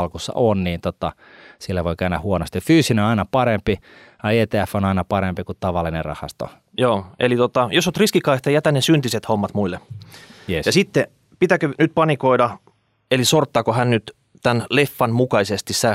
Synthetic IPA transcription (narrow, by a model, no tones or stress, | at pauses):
lkusːɑ̰onniːnt̪ot̪ɑ | silːæʋoikæynæhuonost̪ifyːsineoɑˑinɑpɑɾempi | ɑeːt̪eæfːonɑinɑpɑɾempikutt̪ɑʋɑlːinerrɑ̰hɑ̰st̪o̰ | joːelit̪ot̪ɑjosot̪riskikɑiht̪ɑjæt̪ænesynt̪iset̪homːɑt̪muilːejjɑsit̪ːe | pit̪ækønyt̪̚pɑnikoidɑ | elisort̪ːɑːkohænnyt̪ | t̪ænlefːɑnmukɑisest̪issæ